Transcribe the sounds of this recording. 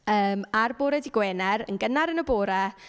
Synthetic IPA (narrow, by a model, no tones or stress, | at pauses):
əːmarboːɾɛdiɡwɛːnɛɾə̰nɡənaɾənəboːɾa